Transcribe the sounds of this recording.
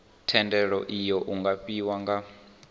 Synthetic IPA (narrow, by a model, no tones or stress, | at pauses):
tʰɛndɛɺɔʔijɔʔuŋɡaɸiwaŋɡa